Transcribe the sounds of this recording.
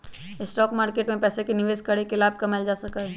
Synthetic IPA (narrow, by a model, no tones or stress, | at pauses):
ɪsʈɔːkmaːɾkeːʈmẽpɛːsekenɪʋeːzkɐɽekelaːb̚kɐmɛld͡ʒaːsɐka